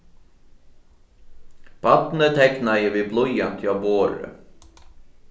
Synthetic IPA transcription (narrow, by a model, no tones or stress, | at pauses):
b̥ɑt̪n̩ət̪ʰɛknɑjəʋiːblɔʏɑnt̪ʰɪɑboːɾə̰